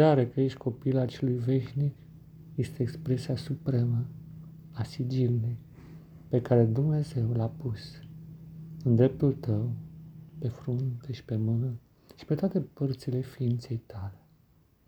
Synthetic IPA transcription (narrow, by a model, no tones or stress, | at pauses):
aɾekəjeʃt̪ʲko̞pilat͡ʃe̞lujve̞ʃnik | je̞st̪e̞ːkspɾe̞siasupɾe̞mə | asid͡ʒilile | pe̞kaɾe̞d̪umne̞ze̞wlapus | ɨnd̪ɾe̞p̚t̪ult̪əwpe̞fɾunt̪eʃi̥pe̞mɨnə | ʃi̥pe̞t̪oat̪e̞pərt̪sile̞fiint̪se̞jt̪ale̞̥